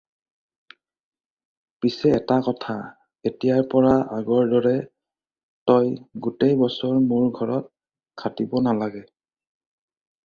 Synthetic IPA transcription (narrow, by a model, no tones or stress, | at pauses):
pisɛɛtakɔtʰa | etijaɹpɔɹaʔaɡɔɹdɔɹɛ | tɔjɡutejbɔsɔɹmuɹɡʱɔɹɔt̚ | kʰatibɔnalaɡɛ